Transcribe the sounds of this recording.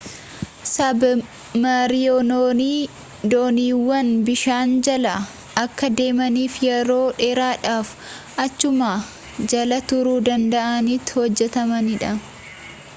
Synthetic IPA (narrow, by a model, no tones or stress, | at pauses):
sɐb | mɐɾɪjonoːniː | d̪oːniːwːɐnbɪʃaːnd͡ʒɐlɐ | ʔɐkːɐd̪e̞ːmɐniːfjɐɾo̞ːᶑeːɾaːᶑaːf | ʔɐt͡ʃːʊmaː | d͡ʒɐlɐt̪ʊɾuːd̪ɐnd̪ɐʔɐniːt̪ːhɔd͡ʒːɛt̪ɐmɐnɪᶑɐ